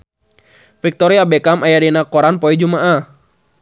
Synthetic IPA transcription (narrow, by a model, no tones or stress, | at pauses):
fik̚t̪ɔɾiabɛkamajadinakɔɾanpɔid͡ʒumaʔa